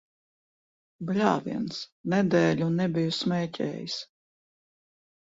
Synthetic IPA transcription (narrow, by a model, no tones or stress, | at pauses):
blʲaːviɛnsnɛd̪ɛːlʲunːɛbʲijusmʲɛːtʲʰɛ̰ːjis